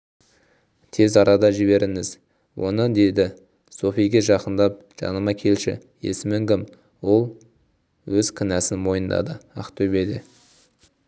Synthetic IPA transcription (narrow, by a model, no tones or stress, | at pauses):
t̪ʰe̞zɑɾɑd̪ɑʒɪβe̞ɾɪŋɪz | wʔo̞̰nəd̪e̞d̪ɪ | so̞fijɡʲeʒɑqənd̪ɑp̚ | ʒ̥ɑ̰nəmɑkʲʰe̞lʃɪ̰je̞̰sɪmɪŋkʲɪm | wo̞lˠ | wɵz̥kʲʰɪnæsɪnmo̞jənd̪ɑ̰d̪əɑqt̪ʰɵbe̞d̪ɪ